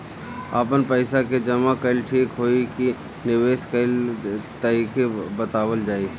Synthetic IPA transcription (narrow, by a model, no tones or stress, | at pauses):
a̰pənpəɪsaked͡ʒɐmakɐɪlʈʰiːkɦoːiki | nɪʋeːʃkəɪlt̪əɾiːkebət̪aːwəld͡ʒaːi